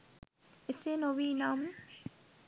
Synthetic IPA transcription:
esenoʋinam

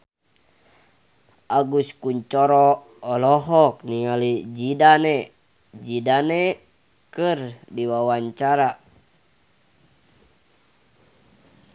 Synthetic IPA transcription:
aɡuskuɲt͡ʃɔɾɔ | ɔlɔɦɔk̚niŋalid͡ʒidanɛ | d͡ʒidanɛ | kɨrdiwawaɲt͡ʃaɾa

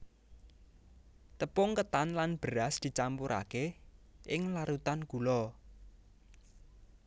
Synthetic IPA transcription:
t̪əpʊŋkət̪anlanb̥əɾasd̪̥i̤t͡ʃampuɾʔa̰keʔɪŋlaɾut̪anɡ̥ulɔ

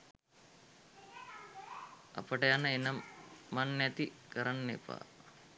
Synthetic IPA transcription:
a̰pəʈəjanəenəmmanːæt̪ikəɾanːḛpa̰ː

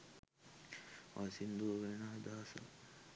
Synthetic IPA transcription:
ʋʔasind̪uʋenaːd̪aːsə̰

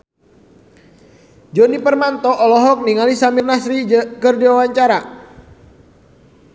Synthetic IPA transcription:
d͡ʒɔnipərmant̪ɔʔːlɔɦɔk̚niŋalisamirnasɾikərdiwawaɲt͡ʃaɾa

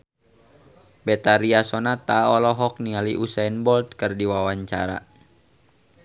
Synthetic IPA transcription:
bɛt̪aɾiasɔnat̪aɔlɔɦɔk̚nialiʔusainbɔlt̪̚kərdiwawaɲt͡ʃa̰ɾa̰

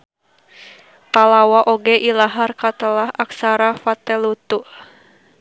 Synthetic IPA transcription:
palawaʔoɡɛʔilaɦarkat̪əlahʔaksaɾafat̪ɛlut̪uʔ

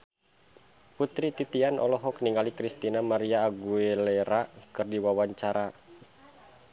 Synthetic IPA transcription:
put̪ɾit̪it̪ianʔɔ̰lɔɦɔkniŋɡalikɾist̪inamaɾiaːɡuelɛɾakɨrdiwawaɲt͡ʃaɾa

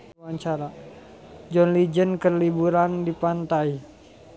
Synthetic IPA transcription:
waɲt͡ʃaɾa | d͡ʒɔnlid͡ʒənkərlibuɾandipant̪ai

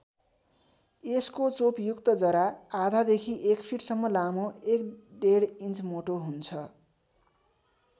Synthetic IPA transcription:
eskot͡sopjukt̪ʌd͡zʌɾaad̪ʱad̪ekʰiʔekpʰiʈsʌmːʌlamoekɖeɽint͡smoʈoɦunt͡sʰʌ

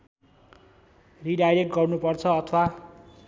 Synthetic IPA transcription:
riɖajɾek̚ʈɡʌrnupʌrt͡sʰʌːt̪ʰʌwa

